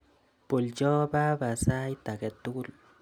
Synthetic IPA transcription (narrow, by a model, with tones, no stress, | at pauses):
po˨ld͡ʒɔ˦ba˦ba˨sa˦jt̪a˨ɡɛ˨t̪ːu˦ɡu˦l